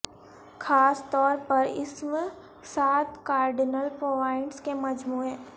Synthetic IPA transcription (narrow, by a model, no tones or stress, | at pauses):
xʰaːst̪ɔːɾpɐɾɪ̰sm | saːt̪kaːɾɖɪnəlpɾoːʋaːɪɳɖskemɐd͡ʒmuːɦɛ̃ː